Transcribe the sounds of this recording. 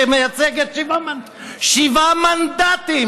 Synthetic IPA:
emejat͡sɛɡet̪ʃivama | ʃivamand̪at̪i

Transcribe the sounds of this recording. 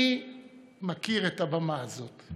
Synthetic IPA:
i | makiʁetabamaːzo̞t

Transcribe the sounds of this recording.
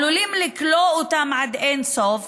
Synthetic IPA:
lulimlɪklout̪amʕad̪ensof

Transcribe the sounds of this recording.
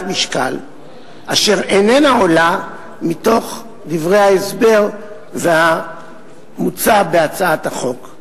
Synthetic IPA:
miʃka̰l | ʔaʃe̞ʁenenaola | mito̞χ | divʁejhaesbe̞ʁ | vea | mut͡sabe̞at͡saataχo̞k

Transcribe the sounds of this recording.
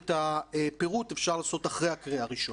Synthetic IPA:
taepeʁutefʃaʁlaːso̞taχʁejakʁiaʁiʃo

